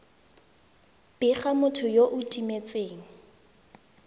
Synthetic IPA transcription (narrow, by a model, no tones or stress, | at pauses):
b̥ɪχamʊtʰʊjoʔʊtʼimet͡sʼeːŋ̩